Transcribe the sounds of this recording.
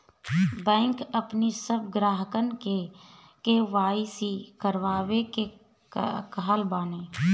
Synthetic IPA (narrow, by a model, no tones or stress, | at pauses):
bɛ̃ːŋkəpnisəb̚ɡɾaːɦəkənke | keʋaːisikəɾʋaːweke | kəɦəlbaːneː